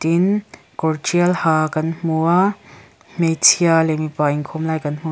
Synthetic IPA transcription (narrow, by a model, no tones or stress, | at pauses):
t̪in | kɔɾt͡ʃiɐlhakɐnmua | mejt͡sʰialemipaiŋkʰomlaːjkɐnmu